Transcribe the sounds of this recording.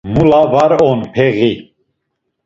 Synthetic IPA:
mulavaɾɔnpʰɛɣi

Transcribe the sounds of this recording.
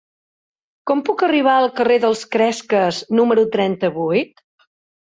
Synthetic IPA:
kɔmpukəriβ̞aəlˠkəreðəlˠskɾɛskəznuməɾut̪ɾɛnt̪əβujt̪

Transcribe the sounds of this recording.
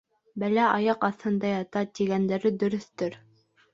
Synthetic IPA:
bælæɑjɑqɑθhɤ̆nd̪ɑjɑt̪ɑt̪iɡænd̪æɾɘd̪ɵ̆ɾɵ̆θt̪ɵɾ

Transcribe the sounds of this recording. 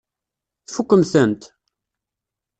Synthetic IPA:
θfukːəmθənt̪

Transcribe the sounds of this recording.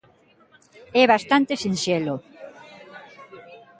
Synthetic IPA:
ɛβast̪ant̪esinselo

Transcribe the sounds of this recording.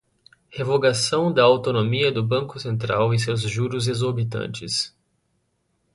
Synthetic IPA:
hevoɡasɐ̃w̃d̪ɐawt̪onomiɐd̪ʊbɐ̃ŋkʊsẽnt̪ɾawẽsewzʒuɾʊzezoɾbit̪ɐ̰̃nt͡ʃɪs

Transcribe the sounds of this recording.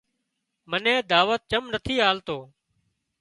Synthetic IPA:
mənẽːd̪aːʋət̪̚t͡ʃəmnət̪ʰiːɦaːlt̪oː

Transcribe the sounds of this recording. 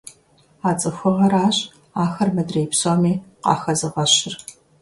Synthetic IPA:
aːt͡sʼɨxʷʊʁɐɾaːɕʼ | aːxɐrmɐdreːpsoːmiːqɑ̰ːxɐzɨʁɐɕɪr

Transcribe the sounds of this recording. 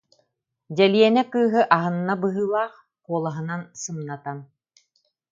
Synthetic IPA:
dɛliɛnɛkɯːɦɯʔaɦɯnːabɯɦɯːlˠaːχ | quɔlˠaɦɯ̆nansɯmnat̪an

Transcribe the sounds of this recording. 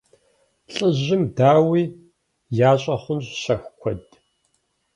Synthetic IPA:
ɬʼɨʑɪmdaːwiː | jaːɕʼɐχʷʊnɕɕɐxʷkʷʰɔd

